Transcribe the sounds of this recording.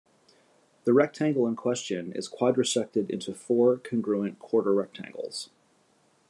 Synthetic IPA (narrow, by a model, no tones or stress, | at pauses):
ðɨɹɛk̚tʰæ̃ŋɡl̩ˠə̃nkʰw̥ɛst͡ʃɨ̃nɪ̰z̥kʰw̥aɪdɹɨsɛk̚tɨɾɪ̰̃ntʰʉfɔɹkʰɨ̃nɡɹʉɨ̃nkʰw̥ɔɹɾə˞ɹɛk̚tʰæ̰̃ŋɡl̩ˠz̥